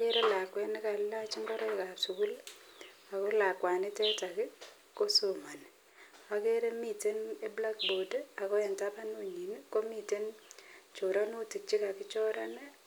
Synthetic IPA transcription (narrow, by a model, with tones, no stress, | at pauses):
ake˦ɾe˦la˨kwɛ˦nɪ˦ka˨lla˦t͡ʃi˦ŋɡɔ˦ɾɔ˦ɪka˨psu˨ku˦l | a˨ko˦la˨kwa˨nɪ˦tɛ˦ta˨kɪ˦ | ko˦so˨ma˨n | a˨ke˦ɾe˦mi˦˨te˦ne˦bla˦k̚bo˨da˨ko˦ɛ˨nta˦pa˦nu˦ɲi˨nko˦mi˦˨te˦nt͡ʃo˨ɾa˦nu˦ti˨k̚t͡ʃi˦ka˨kɪ˦t͡ʃɔ˦ɾa˦ne